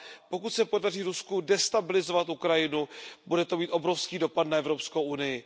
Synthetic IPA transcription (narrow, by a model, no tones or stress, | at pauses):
po̞kut̪sɛpo̞dariːɾuskudɛst̪abɪlɪzo̞vat̪ʔukɾajɪnubudɛt̪o̞miːt̪ʔo̞bɾo̞fskiːdo̞patnaɛvɾo̞pskowʔunɪjɪ